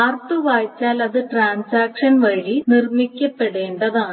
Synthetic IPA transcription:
ɐːrt̪uʋaːjt͡ɕːaːlɐðɨʈraːɳsaːkʂɐnʋɐɻinirmikʲːɐpːe̞ɽe̞ːɳɖɐðaːɳɨ

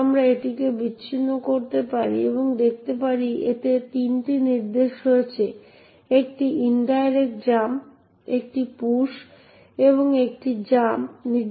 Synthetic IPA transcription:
mɾaeʈikebiːɕʰinːokoɾt̪epaɾḭeboŋd̪ek̚ʰt̪epaɾiḛt̪et̪inʈiniɾd̪eʃɦoet͡ɕʰe | ek̚ʈiinɖajɾekd͡ʑam | ek̚ʈipuʃ | eβoŋek̚ʈid͡ʑamniɾ

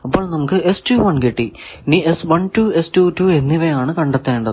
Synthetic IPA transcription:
ɐpːo̞ːɭnɐmukːɨʔestuʋɐɳkiʈːiniesʋɐɳtuːestuːtuːe̞nːiʋejaːɳɨkɐɳɖet̪ːeːɳɖɐ

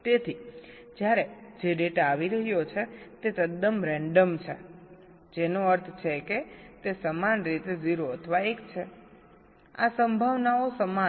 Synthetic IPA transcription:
t̪et̪ʰi | d͡ʒjaɾed͡ʒeɖeʈaʋiɾəɦjot͡ʃʰet̪et̪əd̪əmɾɛ̃ɳɖəmt͡ʃʰe | d͡ʒenoəɾt̪ʰt͡ʃʰeket̪esəmanɾit̪eziɾoət̪ʰəʋaekt͡ʃʰe | a̰səmbʱəʋnaosəma

